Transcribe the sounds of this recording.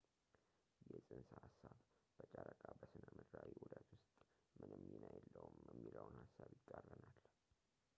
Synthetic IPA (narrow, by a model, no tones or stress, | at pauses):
jɛsʼɨnshasːaβb̥ət͡ʃʼaɾəkʼabəsɨnəmɨd̪ɾawiwɔd̪at̪wʊst̪ʼ | mɨnɨmɨːinajɛlːəwumjɛmːiləwnhasːaβjɪkʼːarːənal